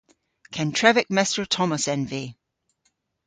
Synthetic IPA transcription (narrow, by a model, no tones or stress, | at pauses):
kʰɛ̃ntʰɹ̥ɛvɪk̚mɛstɹətʰɔməsɛ̃nveː